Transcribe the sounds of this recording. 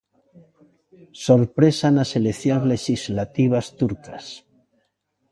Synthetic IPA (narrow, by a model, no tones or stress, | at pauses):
soɾpɾesanaselekθjonzle̞ʃizlat̪iβ̞ast̪uɾkas